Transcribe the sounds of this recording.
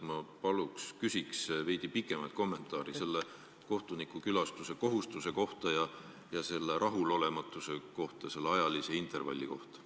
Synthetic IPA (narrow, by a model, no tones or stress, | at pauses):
mɑpɑlukskysʲiksve̞jd̪̥ipikːˑe̞mɑjt̪̚ko̞mːe̞nt̪ˑɑːɾise̞lːe̞ | ko̞ht̪unikːˑukylɑst̪use̞ko̞ɦust̪use̞ko̞ht̪ɑjɑ | jɑse̞lːe̞ɾʔɑɦulo̞le̞mɑt̪ːˑuse̞ko̞ht̪ɑse̞lːeɑjɑlise̞int̪ˑe̞rvɑ̰lʲːiko̞̰ht̪ɑ̥